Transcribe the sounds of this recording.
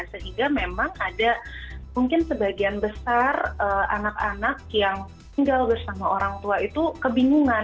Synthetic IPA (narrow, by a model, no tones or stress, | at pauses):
səɦiŋɡamemaŋadamuŋkɪnsəbaɡianbəsarəʔa̰naka̰nak̚jaŋ | t̪iŋɡalbərsamaoɾaŋt̪uait̪ukəbiŋuŋa